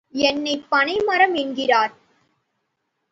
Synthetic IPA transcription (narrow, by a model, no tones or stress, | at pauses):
ɛnːɐɪpːɐnɐɪmɐɾɐmɪɳɡɪraːɾ